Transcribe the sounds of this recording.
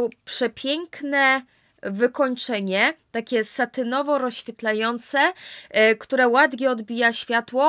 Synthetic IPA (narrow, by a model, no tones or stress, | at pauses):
pʂɛpʲjɛŋknɛ | vɘkɔɲt͡ʂɛɲɛt̪akʲɛsat̪ɘnɔvɔɾɔɕfʲjɛt̪lajɔnt̪sɛ | kt̪uɾɛwad̪vʲɛɔd̪bʲijaɕfʲjat̪wɔ